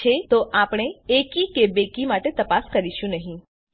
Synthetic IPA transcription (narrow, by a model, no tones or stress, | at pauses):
et̪oʔapɽ̃eekikebekimaʈet̪əpaskəɾiʃũnəɦĩ